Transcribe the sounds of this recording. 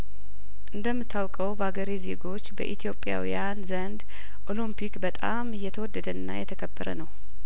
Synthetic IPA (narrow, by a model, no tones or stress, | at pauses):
ʔɨnd̪əmːɨt̪ʰːawkʼəwbəaɡəɾize̞ɡo̞t͡ʃːbə̰ʔit̪ʰijo̞pʼja̰wḭjanzənd̪ | ʔo̞limpʰikbət̪ʼa̰mɪjːɛt̪ʰəwɔd̪ːəd̪əɨnːa̰jɛt̪ʰəkʰəbːəɾə̰nəw